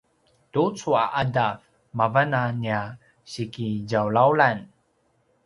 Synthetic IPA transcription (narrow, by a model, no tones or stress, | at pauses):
tut͡sua̰ʔadaf | mavanania | ɕikiɟawlawlan